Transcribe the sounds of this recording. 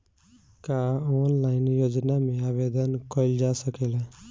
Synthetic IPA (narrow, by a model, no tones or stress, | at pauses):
kaonlaɪnjod͡ʒnameabed̪ənkɔild͡ʒasəkela